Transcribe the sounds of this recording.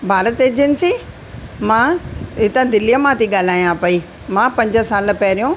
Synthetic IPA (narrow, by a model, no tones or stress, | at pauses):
bʱaːɾət̪eːd͡ʑənsi | mãɪt̪ə̃d̪ɪlijəmãt̪ʰiɠaːl̤aːijãpɐi | mãːpɐ̃ɲd͡ʑə̆saːl̆pɐɦɾijũː